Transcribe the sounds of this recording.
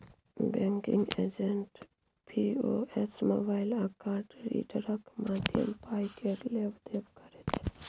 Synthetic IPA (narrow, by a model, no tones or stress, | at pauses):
bɛ̃ŋkiŋɡḛd͡ʒeɳʈ | pʰioesmobaɪlakaɾʈɾḭʈəɾəkmat̪ʰiə̰mpajkʰeɾlebd̪ebkəɾet͡ʃʰe̥